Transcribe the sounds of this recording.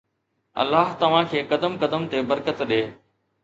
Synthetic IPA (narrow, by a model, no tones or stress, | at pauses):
ɐ̰lːaːɦt̪ɐʋ̤ãkʰeːkɐd̪əmkɐd̪əmt̪ebəɾkət̪ɗeː